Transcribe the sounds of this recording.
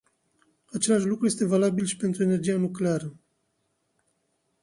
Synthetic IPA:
at͡ʃe̞laʃlukɾuje̞st̪e̞valabilʃi̥pe̞nt̪ɾue̞ne̞rd͡ʒijanukleaɾə

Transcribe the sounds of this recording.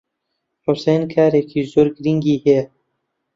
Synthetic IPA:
ɾusenkʰaɾekʰizuɾɡɾiŋɡihe

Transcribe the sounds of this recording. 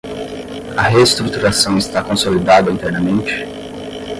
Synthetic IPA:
ɐɦest̪ɾut̪uɾasɐ̃w̃ist̪akõsolid̪ad̪ɐint̪ɛɾnɐmẽnt͡ʃɪ̥

